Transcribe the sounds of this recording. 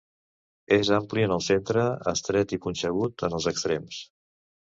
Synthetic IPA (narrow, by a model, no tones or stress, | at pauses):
ezampliənəlˠsent̪ɾəə̰st̪ɾɛt̪ikunsəɣ̞ut̪ənəlˠzəkst̪ɾɛms